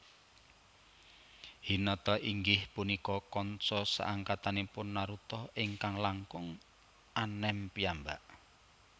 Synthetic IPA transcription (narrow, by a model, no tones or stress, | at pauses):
hinɔt̪ɔʔiŋɡɪhpunikɔkɔnsɔsa̰ʔaŋkat̪anipʊnːaɾut̪ɔɪŋkaŋlaŋkʊŋ | anɛmpiambaʔ